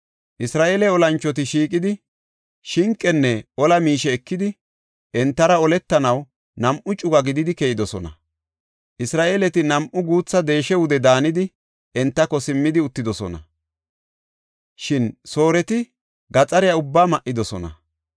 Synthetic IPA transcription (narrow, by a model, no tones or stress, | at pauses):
ʔɪsɾaːʔeːlɛɔlɐnt͡ʃːɔt̪̬ɪʃiːkʼɪd̪ɪ | ʃɪŋkʼːɛnːɛʔɔlɐmiːʃɛːkːɪd̪ɪ | ɛnt̪ːɐɾɐɔlɛt̪ːɐnɐw | nɐmʔʊt͡ʃʼʊɡɐɡɪd̪ɪd̪ɪkejɪd̪ɔsɔnɐ̰ | ʔɪsɾaːʔeːlɛt̪ɪnɐmʔʊɡuːt͡sːɐd̪e̞ːʃɛwʊd̪ɛd̪aːnɪd̪ɪ | ɛnt̪ːɐkːɔsɪmːɪd̪ɪʊt̪ːɪd̪ɔsɔ̰nɐ̰ | ʃɪnso̞ːɾɛt̪ɪ | ɡɐt͡sʼɐɾɪjɐʊbːaːmɐʔːɪd̪ɔsɔnɐ̰